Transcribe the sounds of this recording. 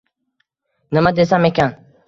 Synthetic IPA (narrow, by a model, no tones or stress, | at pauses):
nɪmad̪esamekʲʰan